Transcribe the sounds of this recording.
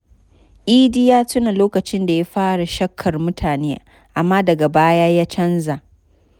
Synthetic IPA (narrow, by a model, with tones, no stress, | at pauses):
ʔiː˦dɪ˦jaː˦tʊ˦na˨loː˦kɐ˨t͡ʃɪ˦nda˨ja˦ɸaː˦ɽa˨ʃɐ˦kʰːɐ˨rmʊ˦tʰaː˨neː˦ | ʔa˨mːaː˦dɐ˨ɡa˨baː˦jaː˦jaː˦t͡ʃɐ˦nza˨